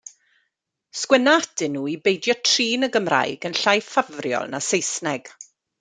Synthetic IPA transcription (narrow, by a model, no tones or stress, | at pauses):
skwɛnaadɪnːuːibejdjɔtʰriːnəɡəmra̰jɡənɬajfavrjɔ̰lˠnasejsnɛɡ̥